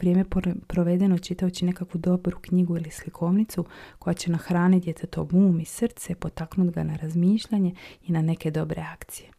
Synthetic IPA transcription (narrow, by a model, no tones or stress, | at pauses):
ʋɾʲijemepɾoʋe̞d̪e̞not͡ʃit̪aot͡ɕine̞kakʋud̪o̞bɾukɲiɡuilislikʰo̞ʋnit̪suko̞jat͡ɕe̞naxɾaːnitd̪ʲjet̪ʰet̪o̞ɡuːmisr̩t̪sepo̞t̪aknud̪ɡanaɾazmiːʃʎaɲe̞inane̞ke̞d̪o̞bɾe̞akt̪sije̞